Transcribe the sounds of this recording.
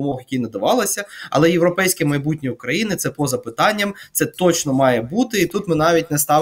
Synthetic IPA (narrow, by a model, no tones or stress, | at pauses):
mɔxjɐkʲijnɐd̪ɐʋɑlˠɐsʲɐɐ̰lˠɛjewɾɔpɛjsʲkʲimɐjbutʲnʲiʊkɾɐjinɪt̪sɛpɔzɐpɪt̪ɑnʲːɐmt̪ɛt̪ɔt͡ʃnɔmɑjɛbut̪ɪit̪ut̪mɪnɑʋʲit̚ʲnɛst̪ɑ